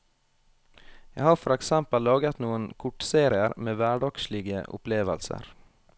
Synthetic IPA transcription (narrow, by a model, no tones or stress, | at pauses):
jæhɑːɾfɔɾɛksɛmpəllɑːɡət̪nuːənkʰʊʈseːɾɪəɾmeːʋæːɖɑkʃlɪɡə̰ʔʊ̰pleːʋəlsə̰ɾ